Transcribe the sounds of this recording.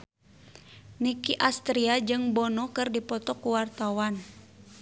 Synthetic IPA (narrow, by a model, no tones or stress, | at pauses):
nikiʔast̪ɾiad͡ʒɨŋbɔnɔkɨrdipɔt̪ɔkuwart̪awan